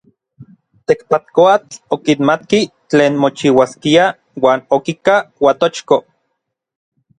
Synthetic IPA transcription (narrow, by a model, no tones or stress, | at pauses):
t̪ekpat̪̚koat͡ɬokinmat̪ki | t͡ɬeːnmot͡ʃiwaskia | waːnokikawat̪ot͡ʃko